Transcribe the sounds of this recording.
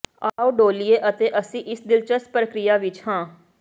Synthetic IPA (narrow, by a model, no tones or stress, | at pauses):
aaːoɖoːlieːʔət̪eːʔəsĩːʔɪsd̪ɪlt͡ʃəspɾəkɾɪjaːʋɪt͡ʃhãː